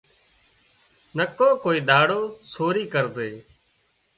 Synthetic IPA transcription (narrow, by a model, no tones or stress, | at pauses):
nəkõːkoːiːɗ̪aːɽoːsʰoːɾiːkəɾzeː